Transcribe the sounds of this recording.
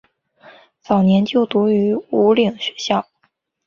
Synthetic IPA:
t͡sɑ˨˩ʊnjɛ˧˥nt͡ɕjo˥˩ʊt̪u˧˥y˧˥u˧˥li˨˩ŋɕɥɛ˧˥ɕjɑ˥˩ʊ

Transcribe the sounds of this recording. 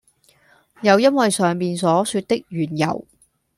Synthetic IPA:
jɐ˨˧wjɐ˥nwɐ˨jsœː˨ŋmiː˨nsɔː˨˥syː˧t̚t̪ɪ˥k̚jyː˨˩njɐ̰˨˩w

